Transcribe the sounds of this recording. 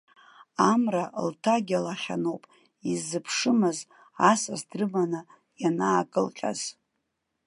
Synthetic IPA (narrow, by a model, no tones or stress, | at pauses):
amraltʰaɡʲalaχʲanowpʼ | izːɨpʰʂɨmɨz | asazdrɨmanɨ | janaːkʼɨlqʲʼa̰z̥